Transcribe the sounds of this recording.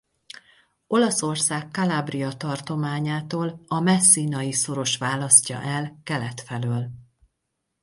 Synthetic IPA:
o̞lɒso̞rsaːkːɒlaːbriɒt̪ɒrt̪o̞maːɲaːt̪oːlɒmɛsːiːnɒjiso̞ɾo̞ʃʋaːlɒscɒ̰ʔɛlkɛlɛt̪fɛløːl

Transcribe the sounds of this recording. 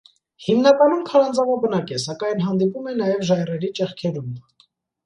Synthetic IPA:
himnɑkɑnumkʰɑɾɑnd͡zɑvɑbənɑkɛsɑkɑjnɦɑnd̪ipumɛnɑjɛvʒɑjrɛɾit͡ʃɛχkʰɛɾum

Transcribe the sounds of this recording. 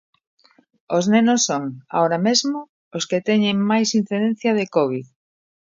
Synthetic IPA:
oznenosːoŋa̰oɾamezmo | osket̪ɛɲeŋmajsin̟θiðen̟θjɐð̞ekoβ̞ið

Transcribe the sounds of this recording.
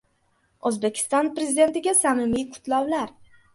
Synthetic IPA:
ozbekʲʰɪ̥st̪ɒnpɾe̞zɪd̪e̞nt̪ɪɡʲasamɪmijqʰʊ̥t̪ʰlɒwlaɾ

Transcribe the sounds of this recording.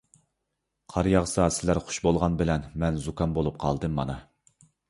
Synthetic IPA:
qʰɑɾjɑʁsɑsɪlæɾχʊ̥ʃbolˠʁɑnbɪlɛnmɛnzukɑmbolˠup̚qʰɑlˠd̪ɨmːɑ̰nɑ

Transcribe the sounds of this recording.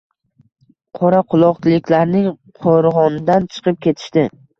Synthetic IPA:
qʰɒɾaqʊlˠɒqt͡ʃ̪ʰɪlˠɪkʲlaɾnɪŋ | qʰoɾʁɒnɪd̪ant͡ʃʰɨ̥qʰɨp̚kʲʰe̞t̪ʰɪ̥ʃt̪ɪ

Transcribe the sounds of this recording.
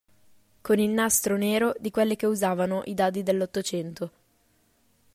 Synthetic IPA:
konilnast̪ɾoneːɾod̪ikwelːekeuzaːvanoʔid̪aːd̪̬id̪elːot̪ːot͡ʃɛnt̪o

